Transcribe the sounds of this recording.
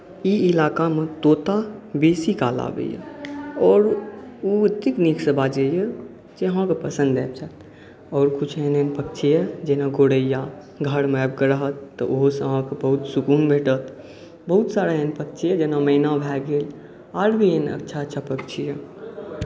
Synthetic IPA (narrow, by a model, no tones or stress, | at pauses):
iɪlaːkamet̪oːt̪abeːsikala̰bḛjḛɔːɾut̪ːikniksəbad͡ʒeje | d͡ʒeɦãkepəsə̃nd̪dɛːp̚t͡ʃʰat̪ | ɔːɾkut͡ʃʰɦenenpək̚t͡ʃʰijed͡ʒenaɡoːɽəja | ɡʱəɾmɛb̚kəɾəɦət̪ːəʔoɦsəɦãkebəɦut̪sukuːnbʱeːʈət̪ | bəɦut̪saːɾaenpək̚t͡ʃʰijed͡ʒeːnaməɪnabʱɛɡeːl | aːɾbʱienə̰tːʃʰaətːt͡ʃʰapək̚t͡ʃʰije